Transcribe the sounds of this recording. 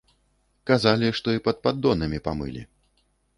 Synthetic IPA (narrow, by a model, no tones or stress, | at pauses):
kazalʲiʂt̪ɔipɐd̪̚pad̪ːɔnɐmʲipamɨ̰lʲḭ